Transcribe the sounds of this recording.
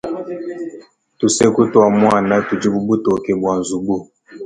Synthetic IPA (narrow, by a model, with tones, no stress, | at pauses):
tu˨se˦ku˦twa˨mwa˦˨na˦tu˨d͡ʒi˦bu˦bu˦tɔ˨kɛ˨bwa˨n˨zu˨bu˦